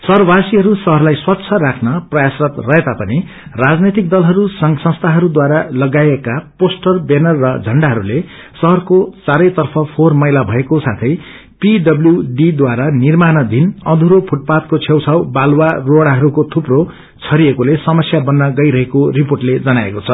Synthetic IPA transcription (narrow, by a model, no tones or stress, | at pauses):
sʌrbasiɦʌɾusʌɦʌrlajswʌt̪ːsʰʌɾakʰnʌprʌjasrʌt̪rʌɦet̪apʌni | rad͡znet̪ik̚d̪ʌlɦʌɾusʌŋsʌ̃st̪ʰaɦʌɾud̪waɾalʌɡaekaposʈʌrbenʌrːʌd͡zʱʌɳɖaɦʌɾule | sʌɦʌrkot͡saɾʌjt̪ʌrpʰʌpʰormʌjlabʱʌekosat̪ʰʌj | piɖʌbljuɖid̪waɾanirmanʌd̪inʌd̪ʱuɾopʰuʈ̚pat̪kot͡sʰewt͡sʰawbalwaroɽaɦʌɾukot̪ʰupro | t͡sʰʌɾiekolesʌmʌsjabʌnːʌɡʌjɾʌɦekoriporʈled͡zʌnaḛkot͡sʰʌ